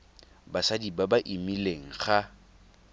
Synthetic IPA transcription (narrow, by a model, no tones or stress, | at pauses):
basadibabaʔimileŋ̩χa